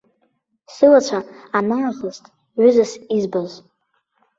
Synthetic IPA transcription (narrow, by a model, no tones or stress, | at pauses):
sɨlat͡ʃʷʰaː | naːʁəztʼ | ʕʏzasizbaz